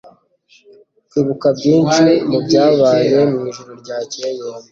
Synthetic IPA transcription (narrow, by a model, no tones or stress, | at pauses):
kwiːβukabɟiːnt͡ʃemubɟaːβaːje̞mŋiːʒuɾoɾɟaːcejem